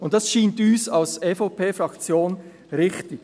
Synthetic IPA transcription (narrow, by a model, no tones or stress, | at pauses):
ʊnt̚d̥ɑsʃiːntyːsalseːfopʰeːfɾɑkt͡sjoːn | ɾɪχtɪk